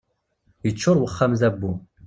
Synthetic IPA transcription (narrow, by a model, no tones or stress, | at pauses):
jət͡ʃːʊɾˤwəχːæmzæbːu